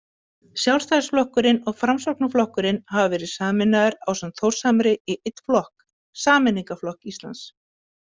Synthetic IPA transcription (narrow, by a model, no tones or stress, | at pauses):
sjawlst̪asflɔhkʏɾɪnɔɣfɾamsɔknaflɔhkʏɾɪnhavavɛːɾɪðsaːmɪnːaɣɪɾawsɛmt̪θowr̥samɾɪiɪt̪flɔhk | saːmɪniŋkaflɔhkist̪la̰ns